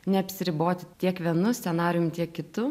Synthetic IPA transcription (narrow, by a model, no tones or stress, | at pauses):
nʲɛɐpʲsʲɪɾʲɪboːt̪ʲɪt̪ʲiɛkʋʲiɛnʊsʲsʲɛnɑːɾʲjʊmt̪ʲiɛkːʲɪt̪ʊ